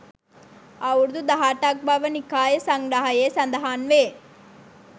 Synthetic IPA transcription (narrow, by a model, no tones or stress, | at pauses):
ɐʋuɾd̪ud̪ɐɦaːʈaːk̚bʱaʋɐnikaːjɐsɐŋɡɾaɦɐjeːsɐnd̪ɐɦaːnʋeː